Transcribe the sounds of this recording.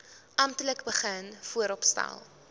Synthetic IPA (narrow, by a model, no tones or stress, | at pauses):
ʔɐmtələkbəχənfuəɾɔpstɛ̰lˠ